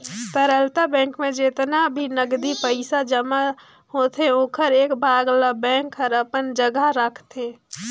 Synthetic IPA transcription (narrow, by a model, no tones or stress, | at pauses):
t̪əɾəlt̪abɛ̃ːŋkmẽd͡ʒet̪nabʱinəɡd̪ipəɪsad͡ʒəma | hoːt̪eoːkʰəɾeːkbʱaːɡlabɛ̃ːŋkəɾəpənd͡ʒəɡaɾəkʰt̪ẽ